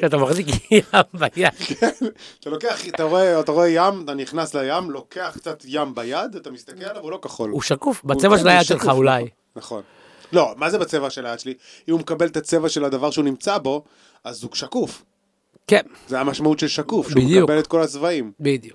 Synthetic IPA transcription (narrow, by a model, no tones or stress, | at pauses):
ʃat̪amaχzikjambajad̪̥kenat̪alo̞keaχat̪aʁoeat̪aʁoejamat̪aniχnaslajamlo̞kʰe̞aχkt͡sat̪jambajad̪at̪amist̪akelalavulokaχo̰luʃakufbat͡sevaʃelajad̪ʃelχaulaj | naχo̞̰n | lo̞mazebat͡sevaʃelajad̪ʃeli | imumekabelet̪at͡sevaʃe̞lad̪avaʁʃeunimt͡sabo̞ | azuʃakuf | kenzeamaʃmautʃelʃakufbimd̪ijubelet̪ko̞lat͡svaimbid̪iju